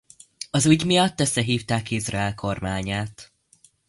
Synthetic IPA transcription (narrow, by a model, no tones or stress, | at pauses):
ɒzuːɟmijɒt̪ːøsːɛɦiːft̪aːkizrɒɛlkʰo̞rmaːɲaːt̪